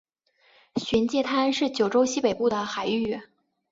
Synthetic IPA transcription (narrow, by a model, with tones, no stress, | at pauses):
ɕɥɛ˧˥nt͡ɕjɛ˥˩t̪ʰa˥nʂɻ̩˥˩t͡ɕjo˨˩ʊʈ͡ʂo˥ʊɕi˥pe˨˩ɪpu˥˩d̪ə˩xa˨˩ɪy˥˩